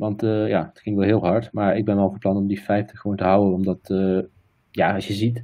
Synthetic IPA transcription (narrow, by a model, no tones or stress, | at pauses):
ʋɑntəjaːətklɪŋkʋɛlˠɦɪːlˠɦɑɹtmaːɹɪɡ̚bɛnʋɛlˠfəɹplɑnɔmdifɛjftəχəʋowntəɦawənɔmdɑtə | jaːɑʃjəzit